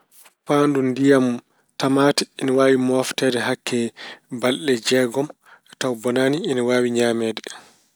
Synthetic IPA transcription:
faːndundijam | tamaːtɛiniwaːwimɔftɛːdɛɦakʰːɛbalɗɛd͡ʒɛɡɔm | tawbɔnaːniːniwaːwiɲaːmɛːdɛ

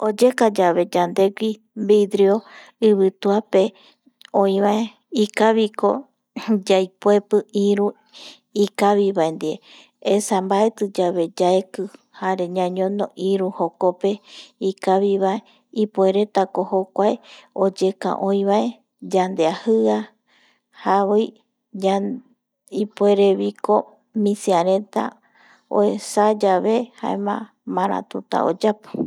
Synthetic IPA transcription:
od͡ʒekad͡ʒaβe̞d͡ʒand̪e̞ɡʷi | bid̪ɾeo | ɨβɨt̪uape | õĩβae | ikaβiko̞̰ | d͡ʒajpoe̞pɨiɾu | ikaβiβaend̪ie | esambae̞t̪ɨd͡ʒaβe̞d͡ʒaekɨ | haɾe̞ɲãɲõnoʔiɾuhokope̞ikaβiβae | ipoe̞ɾe̞t̪ako̞hokʷaeod͡ʒe̞kã̰ʔõĩβae̞ | d͡ʒand̪eahɨa | haβoj | a | ipoe̞ɾe̞βiko̞ | mĩsiaɾẽ̞t̪a̰ | o̰esad͡ʒaβe̞ha̰ḛmã̰ | mãɾã̰t̪ut̪a̰o̰d͡ʒapɨ̥

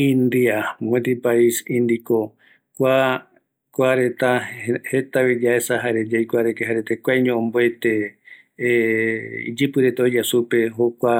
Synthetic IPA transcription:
ĩnd̪iamẽt̪ipaisĩnd̪iko | kʷa | kʷaɾet̪ahet̪aβid͡ʒaesaɦaɾed͡ʒajkʷaɾekeɦaɾet̪ekʷajɲõõmboet̪e | ḭd͡ʒɨpɨɾet̪aod͡ʒasupe̞ɦokʷa

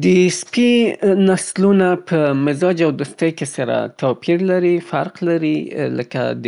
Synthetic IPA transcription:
d̪əspinaslunapʰəmɪzɑd͡ʒawd̪ust̪əjkesaɾa̰t̪opʰiɾlaɾifaɾqlaɾiləka̰d̪

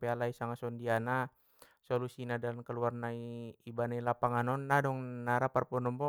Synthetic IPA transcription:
pɛalaisaŋasɔndiana | sɔlusinadankəluarnaiibanailapaŋanɔnːadɔŋnaɾaparpɔnɔmbɔ

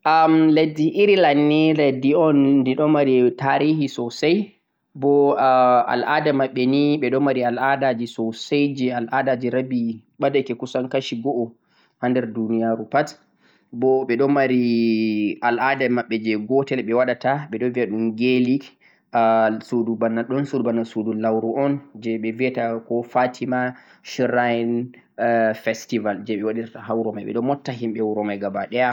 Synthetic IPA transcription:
ʔamlediʔiɾilanːilɛdiɔndiɗɔmaɾitaɾiːɦisɔsaj | bɔ | a̰lʔaːdamaɓːɛniɓɛɗɔmaɾialʔadad͡ʒisɔsajd͡ʒɛalʔadad͡ʒiɾabi | ɓadakɛkusankaʃiɡɔʔɔ | handɛɾdunijaɾupat | bɔɓɛɗɔmaɾi | ʔalʔadamaɓːɛd͡ʒɛɡɔtɛlɓɛwaɗataɓɛɗɔviaɗumɡelik | sudubanːaɗɔnsudubanːasudulawɾuʔɔnd͡ʒɛɓɛviɛtakɔfatʰima | ʃɾajn | fɛstivald͡ʒɛɓɛwaɗiɾtaɦawuɾɔmajɓɛ̰ɗɔmɔtːaɦimɓɛwuɾɔmajɡabaɗɛja

